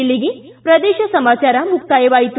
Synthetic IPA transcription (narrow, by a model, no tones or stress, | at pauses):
iɭːiɡi | pɾɐd̪eːʃɐsɐmaːt͡ʃaːɾɐmuk̚t̪ajeʋaːjit̪